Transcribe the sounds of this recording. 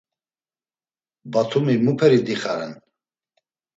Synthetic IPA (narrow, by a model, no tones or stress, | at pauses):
bat̪ʰumimupʰɛɾid̪iχaɾɛn